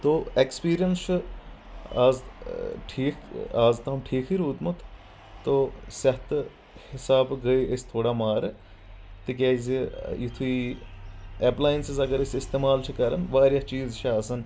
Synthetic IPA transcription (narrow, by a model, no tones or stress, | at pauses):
t̪oːekspiːɾijɐnst͡ʃʰu | aːzʈʰiːkʰaːzt̪ɐmʈʰiːkʰiɾuːd̪mut̪ʰː | osɐht̪ | hɪsaːbɡɐiest̪ʰoːɽaːmaːɾ | t̪ikʲaːzijit̪ʰui | eːplaːjinsizɐɡɐɾesɪst̪eːmaːlt͡ʃʰukɐɾɐnʋaːɾjat͡ʃiːzt͡ʃʰɐɐːsɐn